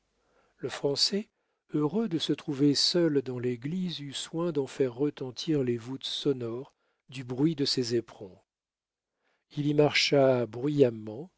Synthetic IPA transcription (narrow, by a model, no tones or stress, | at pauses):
ləfχɑ̃sɛ | øʁød̪əsət̪χuvesœld̪ɑ̃leɡlizyswɛ̃d̪ɑ̃fɛʁːət̪ɑ̃t̪ʰiʁlevut̪sɔnɔʁ | d̪ybʁɥid̪əsezepχɔ̃ | ilimaʁʃabʁɥijamɑ̃